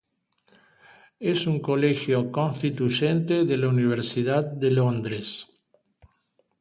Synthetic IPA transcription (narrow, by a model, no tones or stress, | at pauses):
esuŋkolexjokõnst̪it̪uʒent̪eðelauniβ̞eɾsiðaðːelond̪ɾes